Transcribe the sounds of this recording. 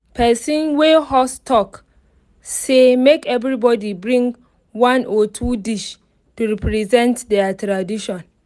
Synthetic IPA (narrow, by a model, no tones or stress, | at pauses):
pʰɛsĩnwehɔstʰɔk | semekɛvɹibɔdibɹĩŋɡ | wãnɔtʰudiʃ | tuɹipɹizɛ̃ntdɛatɹadiʃɔ̃n